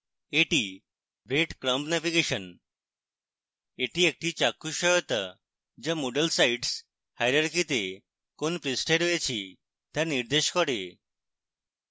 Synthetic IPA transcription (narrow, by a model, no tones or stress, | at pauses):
eʈi | bɾeʈkɾə̃mpnɛʋiɡeɕən | eʈiːek̚ʈiːt͡ɕakːuɕɔjɔt̪a̰ | d͡ʑamoɖəlsaiʈs | hajɾaɾkit̪e | konpɾisʈeɾʋet͡ɕʰi | t̪jaɾniɾd̪eɕkɔɽe